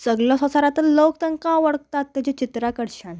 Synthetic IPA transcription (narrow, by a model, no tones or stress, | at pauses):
səɡlɔsə̃saɾat̪illokt̪əŋkãʋəɽk̚t̪at̪ːet͡ɕet͡ɕit̪ɾakəɽɕan